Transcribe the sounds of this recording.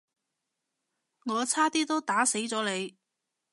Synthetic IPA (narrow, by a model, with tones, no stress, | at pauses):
ŋɔː˨˧t͡sʰaː˥t̪iː˥t̪o˥wt̪aː˨˥se˨˥jt͡sɔː˨˧˥le˨˧j